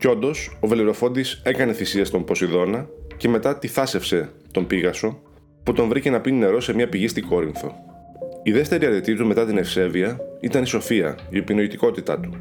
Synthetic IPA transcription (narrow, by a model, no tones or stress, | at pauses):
co̞nd̪o̞so̞ve̞liɾo̞fo̞nd̪isekɐne̞θisiɐst̪o̞mpo̞siðo̞nɐce̞me̞t̪ɐt̪iθɐse̞fse̞ | t̪o̞mbiɣɐso̞ | put̪o̞ɱvɾice̞nɐpine̞ɾo̞se̞mɲɐpiʝist̪iɡo̞ɾiŋθo̞̰ | iðe̞ft̪e̞ɾiɐɾit̪it̪ume̞t̪ɐt̪ine̞fse̞viɐit̪ɐniso̞fiɐ̰iopinoit̪iko̞t̪it̪ɐ̰t̪u̥